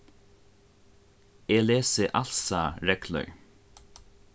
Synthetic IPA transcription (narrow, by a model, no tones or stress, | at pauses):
eːleːsəʔalsaɹɛklœ̰ɹ